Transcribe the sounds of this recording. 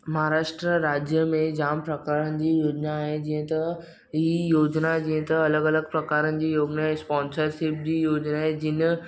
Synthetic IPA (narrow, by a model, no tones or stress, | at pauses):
mɐɦaɾaːʃʈɾəɾaːd͡ʑjəmẽd͡ʑaːmpɾɐkaːɾənɪ̆d͡ʑiːjoːd͡ʑnaɦed͡ʑĩːə̃t̪ɐ | ɦijoːd͡ʑnad͡ʑĩːə̃t̪ɐɐləɡɐləɡpɾɐkaːɾənɪ̆d͡ʑiːjoːɡnaːɦespɔ̃ːnsəɾʃɪp̚d͡ʑiːjoːd͡ʑnaɦẽd͡ʑɪn̆